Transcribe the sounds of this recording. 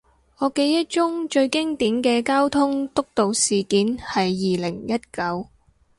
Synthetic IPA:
ɔː˨˧ke˨˧jːɐ˥t̚t͡ʃʊ˥ŋt͡ʃɵ˧ɥkɪ˥ŋt̪iː˨˥nkɛː˧kaː˥wt̪ʰʊ˥ŋt̪ʊ˥k̚t̪o˨wsiː˨˩kiː˨˥nhɐ˨jːiː˨˩lɪ˨˩ŋjɐ˥t̚kɐ˨˧w

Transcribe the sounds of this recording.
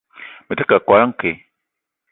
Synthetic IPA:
me˨te˦ka˨kwa˨˦a˦ŋ̩˦ke˨

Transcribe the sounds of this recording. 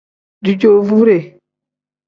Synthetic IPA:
du˨d͡ʒo˨vu˦ɾe˨

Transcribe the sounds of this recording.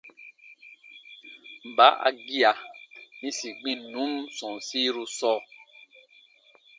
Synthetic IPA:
m̩˨ba˨˦ʔa̰˨ɡi˦a˨nĩ˦si˨ɡ͡bĩ˦nũ˨˦msɔ̃˨n˨si˦ɾu˦sɔ˦

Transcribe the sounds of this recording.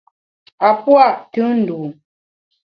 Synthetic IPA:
a˨pwa˦˨ʔtʉ˦n̩˨du˨

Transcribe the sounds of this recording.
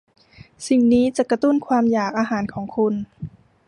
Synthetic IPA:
si˨˩ŋniː˦˥t͡ɕa˨˩ka˧t̪u˥˩nkʰwaː˧mjaː˨˩k̚ʔaː˧ɦaː˩˦nkʰɔː˩˦ŋkʰu˧n

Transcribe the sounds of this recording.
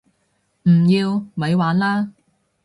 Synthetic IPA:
m̩˨˩jiː˧wmɐ˨˧˥jwaː˨˥nlaː˥

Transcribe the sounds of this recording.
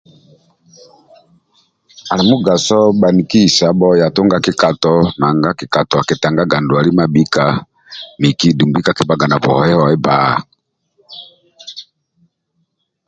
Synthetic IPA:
a˨li˨mu˦ɡa˨sɔ˦ɓa˨ni˨ki˦i˨sa˨bɔ˦ja˨to˦ŋɡa˦ki˦ka˨tɔ˨na˨ŋɡa˦ki˨ka˨tɔ˨a˨kɛ˨ta˨ŋɡa˦ɡa˨ndu˨a˨li˦ma˦bi˦ka˨ | mi˨ki˦˨du˨mbi˦ka˨ki˦ba˦ɡa˨na˨bɔ˨hɔ˦jɛ˦ɔ˨ɛ˦ba˦˨

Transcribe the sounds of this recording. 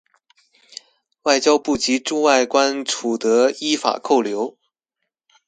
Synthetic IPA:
wa˥˩ɪt͡ɕjɑ˥ʊpu˥˩t͡ɕi˧˥ʈ͡ʂu˥˧wa˥˩ɪkwa˥nʈ͡ʂʰu˨˩t̪ɤ˧˥i˥fa̰˨˩kʰo˥˩ʊljo˧˥ʊ

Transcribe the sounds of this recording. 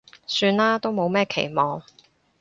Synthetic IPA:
syː˧nlaː˥t̪o˥wmo˨˧wmɛː˥˩kʰe˨˩jmɔː˨˧ŋ

